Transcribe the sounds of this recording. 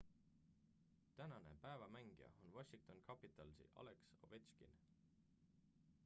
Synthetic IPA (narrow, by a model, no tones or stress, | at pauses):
t̪ænɑnepæevɑmæŋɡ̥ijɑ̰onwoɕiŋkt̪o̞nkʰɑpit̪ɑlsḭʔɑ̰lekso̰vet̪t͡ʃkḭn